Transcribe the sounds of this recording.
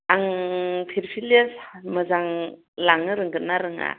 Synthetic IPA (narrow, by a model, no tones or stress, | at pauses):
aŋpʰiɾpʰilesmɯzaŋ | laŋnɯɾɯŋɡɯnaɾɯŋa̰